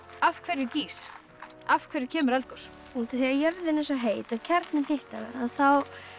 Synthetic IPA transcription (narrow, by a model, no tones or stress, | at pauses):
afkʰvɛɾjɪciːs | afkʰvɛːɾjɪcʰɛːmʏɾɛlkʏɾ̥ | ut̪ɪθiajœɾðɪnɛnsɔɦeːjt̪awcʰɛɾt̪nɪnheht̪aɾ̰aðθaw